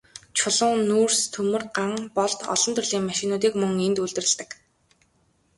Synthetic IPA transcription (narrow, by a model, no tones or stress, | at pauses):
t͡ɕʰʊɮʊ̆ŋnuːrst̪ʰɵmɘ̆rɢaŋpɔɮt̪ɔ̰ɮɞ̆nt̪ʰɵrɮiːŋmaʃɪ̆nʊːt̪̬iːkmɵŋent̪uɮt̪ɘ̆rɘ̆ɮt̪ɘ̆k